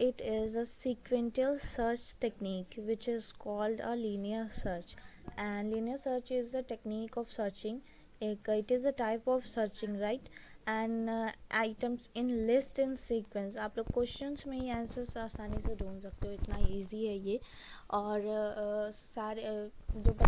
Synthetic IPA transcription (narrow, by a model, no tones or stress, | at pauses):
ɪʈɪzəsiːkʋẽɳʈəlsəːɾt͡ʃʈekniːkʋɪt͡ʃɪzkɔːlɖəliːniəɾsəːɾt͡ʃ | ɛ̃ɳliːniəɾsəːɾt͡ʃɪzəʈekniːkɔːʋsəːɾt͡ʃɪ̃ŋ | kɪʈɪzəʈaɪpɔːʋsəːɾt͡ʃɪ̃ŋɾaɪʈɛ̃ɳʔaɪʈə̃msɪ̃nlɪsʈɪ̃nsiːkʋẽnsaːploːɡkːwɛsʈə̃nzmẽãːnsəɾsaːst̪aːnised̪ʱũːnsɐk̚t̪eɦoɪt̪naiːziɦɛjeː | ɔːɾ | saːɾed͡ʒoːb